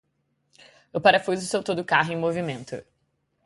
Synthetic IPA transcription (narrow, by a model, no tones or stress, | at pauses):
ewpaɾɐfuzʊsewt̪od̪ʊkaɦʊẽmovimẽnt̪ʊ̰